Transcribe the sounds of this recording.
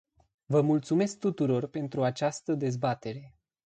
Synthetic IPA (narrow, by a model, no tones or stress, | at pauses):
vəmult̪sume̞sk̚t̪ut̪uɾo̞rpe̞nt̪ɾuat͡ʃast̪əd̪e̞zbat̪e̞ɾe̞